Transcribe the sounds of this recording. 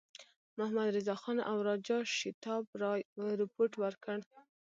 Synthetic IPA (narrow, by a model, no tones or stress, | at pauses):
mʊhmad̪ɾɪzɑxɑnʔa̰wɾɑd͡ʒɑʃɪt̪ɑbɾɪpoɾʈwəɾkəɽ